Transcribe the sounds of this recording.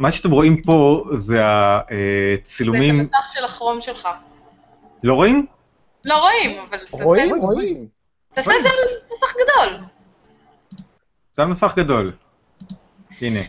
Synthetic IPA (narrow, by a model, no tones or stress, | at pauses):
maʃeat̪emʁo̞impo̞zeaet͡silumimsaχʃelaχʁo̞mʃe̞lχa | lo̞ʁo̞im | lo̞ʁo̞imavalaim | at̪asezemasaχɡad̪o̞l | z̥eamasaχɡad̪o̞l | ine